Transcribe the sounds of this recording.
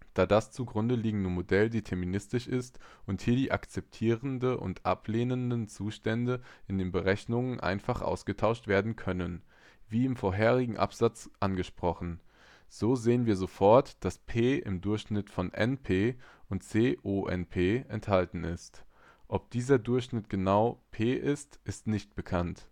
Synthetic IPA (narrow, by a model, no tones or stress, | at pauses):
d̥aːdast͡suɡʁʊndəliːɡŋ̩dəmodɛldiːtʰɛɐminɪstɪʃɪstʔʊnthiːɐdiːʔa̰kt͡sɛp̚tʰiːʁəndəʔʊ̰ntʔa̰pleːnəndənt͡suːʃtɛndəʔɪndeːnbəʁɛçnʊŋənʔa̰ɪnfaχʔa̰ʊsɡ̥ətʰaʊʃtv̥eːɐdn̩kʰœnən | viːɪmfoːɐɦeːʁɪɡŋ̩ʔa̰pz̥at͡sʔanɡəʃpʁ̥ɔχn̩ | z̥oːzeːənviːɐzofɔɐtd̥aspʰeːʔɪ̰mdʊɐçʃnɪtfɔnʔɛ̰npʰeːʔʊntt͡seːʔoːʔɛ̰npʰeːɛnthaltn̩ɪst | ʔɔp̚d̥iːzɐdʊɐçʃnɪtɡ̥ənaʊpʰeːʔɪstʔɪstnɪçt̚b̥əkʰant